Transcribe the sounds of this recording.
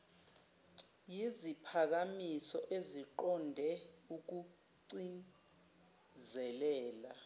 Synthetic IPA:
jizipʰak̬amisɔʔeziǃɔndʱɛuk̬u | ǀin | zɛlɛːla

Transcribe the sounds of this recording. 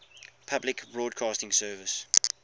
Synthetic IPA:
pʰablɪkbɹɔːdkʰɑːstɪ̃ŋsɜːvɪs

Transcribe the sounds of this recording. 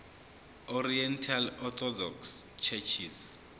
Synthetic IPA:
ɔriɛntʰalɔt̪ʰɔdɔkst͡ʃʰɛt͡ʃʰis

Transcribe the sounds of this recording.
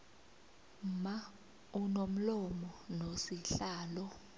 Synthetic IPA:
ma | unom̩lɔmɔnosiɬaːlɔ

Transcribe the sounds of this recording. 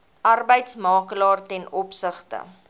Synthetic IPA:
ʔɐrbəjtsmɑːkəlɑːrtɛnɔpsəχtə̰

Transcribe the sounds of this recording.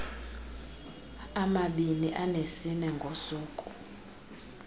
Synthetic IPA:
amaɓiniʔanesinɛŋɡʱosuːkʼu

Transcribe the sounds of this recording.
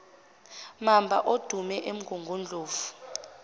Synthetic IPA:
mambʱa̰ʔod̥ʱumɛʔem̩ɡʱuŋɡʱund͡ɮʱʼoːfu̥

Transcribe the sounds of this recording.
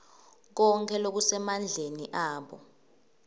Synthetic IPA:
k̬ɔŋkʰʼɛlok̬usɛmand͡ɮʱeniʔaːɓɔ

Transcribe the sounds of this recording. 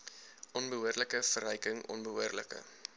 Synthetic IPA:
ɔnbəɦuərləkəfərɛjkəŋʔɔ̰nbəɦuərlə̰kə̰

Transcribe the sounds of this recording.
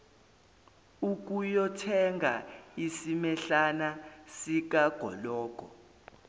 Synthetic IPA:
uk̬ʼujɔtʰɛŋɡʱa̰isimɛɬanasik̬ʼaɡ̥ʱɔ̰lɔːɡ̥ʱɔ̰

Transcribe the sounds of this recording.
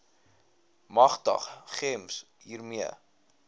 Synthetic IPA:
mɐχtə̰χχɛms | ɦiːrmiə̰

